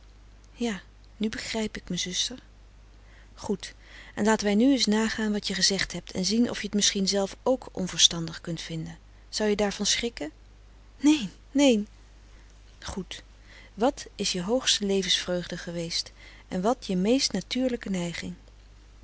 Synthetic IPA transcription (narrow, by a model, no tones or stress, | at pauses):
jaː | nybəχrɛjpɪkməzʏstəɹ | χut | ʔɛnlaːtənʋɛjnyɪs̬naːχaːnʋɑtjəχəzɛχtɦɛp̚tʰɛ̰nzinʔɔ̰fjəətmɪsχinzɛlˠfowkʔɔ̰nvəɹstɑndəχkɵntfɪndən | z̥ɑwjədaːɹvɑnsχrɪkə | nejnːejn | χut | ʋɑtɪsjəɦowχstəlejvənsfrøɥχdəχəʋejst | ʔɛnʋɑtjəmejstnatyːɹləkənɛjχɪŋ